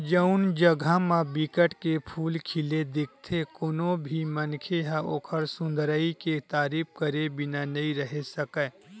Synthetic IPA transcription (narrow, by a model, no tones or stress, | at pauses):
d͡ʒəʊnd͡ʒəɡʱamãbɪkəʈkepʰuːlkʰɪled̪ɪk̚ʰt̪ʰekonõbʱimənkʰeɦãoːkʰəɾsʊ̃nd̪ɾəiket̪aːɾiːp̚kəɾebɪnanɐɦĩɾɐɦesəkə